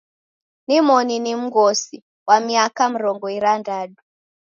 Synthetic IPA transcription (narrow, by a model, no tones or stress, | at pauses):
nimɔninim̩ɡɔsi | wamiakam̩ɾɔŋɡɔiɾandaɗu